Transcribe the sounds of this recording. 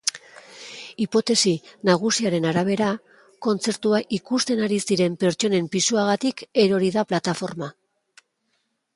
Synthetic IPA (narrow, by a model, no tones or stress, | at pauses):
ipo̞t̪e̞sinaɣ̞usiaɾe̞naɾaβ̞e̞ɾa | ko̞nt͡se̞ɾt̪uaʔikust̪e̞naɾisiɾe̞mpe̞ɾt͡ʃo̞ne̞mpisuaɣat̪ike̞ɾo̞ɾiðaplat̪afo̞ɾma